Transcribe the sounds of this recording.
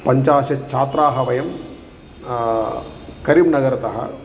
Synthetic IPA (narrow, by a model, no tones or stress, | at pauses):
pɐɲt͡ʃaːʃɐt͡ʃʰaːt̪ɾaːɦɐʋɐjɐm | kɐɾiːbnɐɡɐɾɐt̪ɐɦɐ̰